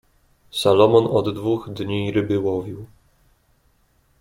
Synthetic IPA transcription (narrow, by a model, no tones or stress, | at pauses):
salɔmɔnɔd̪d̪vuɣd̪ɲiɾɘbɘwɔvʲiw